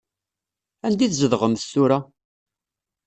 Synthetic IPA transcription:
ænd̪iθzəðʁəmθsuɾa

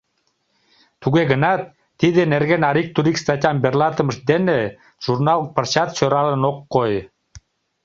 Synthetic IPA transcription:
t̪uɡeɡə̆nɑt̪ː | id̪eneɾɡenɑɾik̚t̪uɾikst̪at̪ʲɑmberlˠɑt̪ə̆məʃd̪enɘ | ʒ̥urnɑlˠpə̆rt͡ɕɑt̪ɕøɾɑlˠənoqːoj

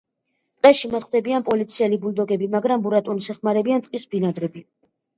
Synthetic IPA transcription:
t̪ʼqʼɛʃimat̪χwd̪ɛbianpʼɔlit̪sʰiɛlibuld̪ɔɡɛbimaɡɾambuɾat̪ʼunisɛχmaɾɛbiant̪ʼqʼisbinad̪ɾɛbi

